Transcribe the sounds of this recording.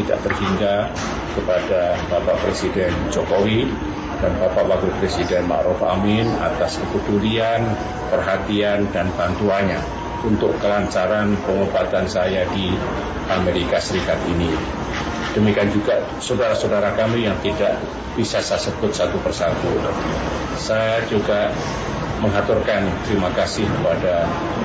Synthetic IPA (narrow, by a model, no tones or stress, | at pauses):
t̪ida̰ʔt̪ərhiŋɡa | kəpadab̥apaʔpɾesidɛnd͡ʒokowi | d̥anbapaʔlaɡupɾesidɛnma̰ʔɾufa̰mɪna̰t̪askəbət̪ulian | pərɦat̪iandanbant̪uaɲa | unt̪ʊkkəlaɲt͡ʃaɾanpəŋobat̪ansajadi | ʔameɾikasəɾikat̪ini | d̥əmikiand͡ʒuɡa | sodaɾahsowdaɾakamijaŋt̪idaʔ | b̥isasasəbʊt̪̚sat̪upərsat̪u | sajad͡ʒuɡa | məŋɦat̪ʊrkant̪əɾimakasɪhkəpada